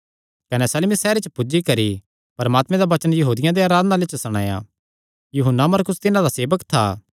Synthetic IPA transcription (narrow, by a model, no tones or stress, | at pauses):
kɐnɛsɐlmisɛːɾet͡ʃpʊd͡ʒikɐɾi | pɐɾmaːt̪mɛ̃d̪aʋɐt͡ʃənjɐɦuːd̪ɪjãd̪eaːɾaːd̪ənalet͡ʃsɐɽ̃a̰ːja̰ | juɦənːamɐɾkʊst̪ɪnãd̪aseːbəkt̪ʰa̰ː